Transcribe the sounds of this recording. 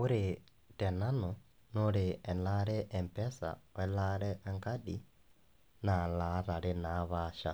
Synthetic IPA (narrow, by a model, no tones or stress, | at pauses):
uɾi | tenano | nolienaɾɛʔːmpesa̰welaɾɛʔːŋkadi | nalaɾalinaβaːʃa